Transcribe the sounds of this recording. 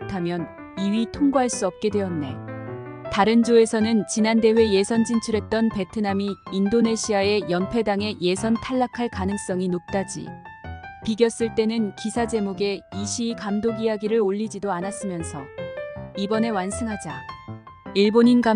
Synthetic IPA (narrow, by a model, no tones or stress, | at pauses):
tʰamjʌn | iɥitʰoŋɡoɦaɭs͈uʌp̚k͈e̞dwe̞ʌnːe̞̰ | taɾɯnd͡ʑoe̞sʰʌnɯnt͡ɕinande̞ɸwe̞je̞sʰʌnd͡ʑʰint͡ɕʰuɾe̞t̚t͈ʌnpe̞tʰɯnamiːndone̞ɕʰiae̞jʌnpʰe̞daŋe̞je̞sʰʌntʰaɭːakʰaɭkanɯŋs͈ʌŋinok̚t͈ad͡ʑḭ | piɡjʌs͈ɯɭt͈e̞nɯnkisʰad͡ʑe̞moɡe̞iɕʰiːkamdoɡiaɡiɾɯɾoʎːid͡ʑidoanas͈ɯmjʌnsʰʌ | ibʌne̞wansʰɯŋɦad͡ʑa | iɭboɲinɡa